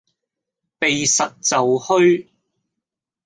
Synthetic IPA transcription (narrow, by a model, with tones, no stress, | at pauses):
pe˨jsɐ˨t̚t͡sɐ˨whɵ˥ɥ